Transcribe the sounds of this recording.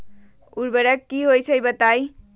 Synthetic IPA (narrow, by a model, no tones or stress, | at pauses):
uɾbəɾəkːiɦojt͡ʃʰəjbət̪aj